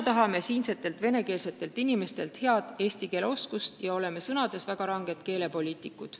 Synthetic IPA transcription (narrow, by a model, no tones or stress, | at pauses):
t̪ɑɦɑme̞siːnse̞t̪ːˑe̞lt̪ve̞ne̞ke̞ːlset̪ːˑe̞lt̪inime̞st̪e̞lt̪he̞ɑd̪e̞ːst̪ike̞ːleo̞skust̪jɑo̞le̞me̞sɤnɑd̪e̞svæɡ̥ɑɾɑŋɡe̞d̪̥ke̞ːle̞po̞lʲiːt̪ˑikːˑu̥